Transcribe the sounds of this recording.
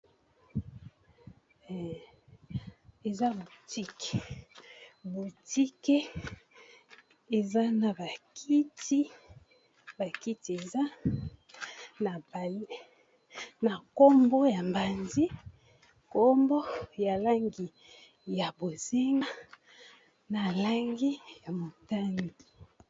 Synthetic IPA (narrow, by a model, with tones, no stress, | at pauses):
e˨za˦bo˨ti˦ke̥˨ | bo˨ti˦ke˦ | e˨za˦na˨ba˨kʰi˦ti˦ | ba˨ki˦ti˨e˨za˦ | na˨ba˨l | na˨ko˦mbo˦ja˨mba˨nzi˦ | ko˦mbɔ˦ja˨la˦ŋɡi˨ | ja˨bo˨ze˦ŋa˦ | na˨la˦ŋɡi˦ja˨mo˨ta˦ŋɡi˨